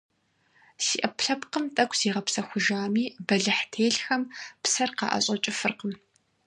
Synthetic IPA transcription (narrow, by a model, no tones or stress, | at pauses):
siːʔɐpʰɬɐpqəmtʼɐkʷʰʼz̥iːʁɐpsɐxʷʊʒaːmiːbɐɮɨħtʰeːɬxɐmpsɐrqɑ̰ːʔɐ̰ɕʼɐt͡ʃʼɪfɨrqəm